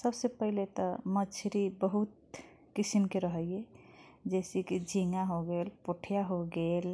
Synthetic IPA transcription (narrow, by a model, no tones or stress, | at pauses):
səbsepəɦilet̪ɔmət͡ʃʰɾibəɦut̪̚ | kisimkeɾəɦəjjed͡ʒesikid͡ʒʱiŋaɦoɡelpoʈʰjaɦoɡel